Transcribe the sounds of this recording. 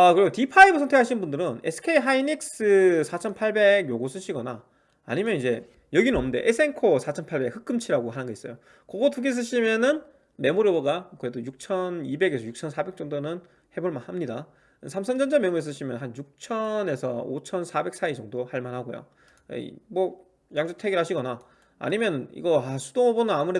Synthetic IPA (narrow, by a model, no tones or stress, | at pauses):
akɯɾiɡotipʰaibusʰʌntʰekaɕʰinɯnbundɯɾɯnesʰɯ̥kʰe̞iɦainik̚s͈ɯsʰat͡ɕʰʌnpʰaɭbe̞ɡjoɡos͈ʰɯɕʰiɡʌna̰ː | ɲimjʌnid͡ʑe̞ | jʌɡinɯnʌmɯnde̞ʔes͈ʰe̞ŋkʰosʰat͡ɕʰʌnpʰaɭbe̞khʰɯk͈ɯmt͡ɕʰiɾaɡoɦanɯnɡʌis͈ʌjo | kʌɡʌtuɡes̬͈ɯɕʰimjʌnɯn | me̞moɾjoboɡakoedojuk̚t͡ɕʰʌnibe̞ɡe̞sʰʌjuk̚t͡ɕʰʌnsʰabe̞k̚t͡ɕ͈ʌŋdonɯn | he̞boɭmanhamɲida | sʰamsʰʌnd͡ʑʌnd͡ʑame̞muɾes̬͈ɯɕʰimjʌnɦanjuk̚t͡ɕʰʌne̞sʰʌot͡ɕʰʌnsʰabe̞k̚s͈aid͡ʑʌŋdohaɭmanɦaɡojo̰ | mʌ | jaŋd͡ʑotʰeɡiɭhaɕʰiɡʌna̰ː | ɲimjʌnḭɡʌasʰu̥doŋʌbonɯnamuɾe